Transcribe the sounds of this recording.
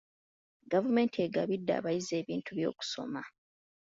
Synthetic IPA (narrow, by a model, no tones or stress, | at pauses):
ɡavume̞ːntʰieɡaβidːa̰ːβajize̞ːβiːntʰuβjo̞̰ːku̥so̞̰ma